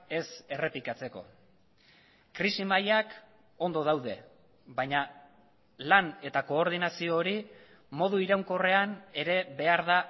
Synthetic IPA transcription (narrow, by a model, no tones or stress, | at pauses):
e̞se̞re̞pikat͡se̞ko̞̰ | kɾisimajak | o̞nd̪o̞ð̞awð̞e̞̰ | βajɲa | lane̞t̪ako̞ːɾð̞inasio̞ːɾi | mo̞ðuiɾawŋko̞re̞ane̞ɾe̞βe̞aɾða